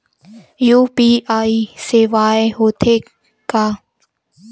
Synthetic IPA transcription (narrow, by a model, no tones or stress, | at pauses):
juːpiːʔaːiseːʋaːeɦoːt̪ʰeː | kaː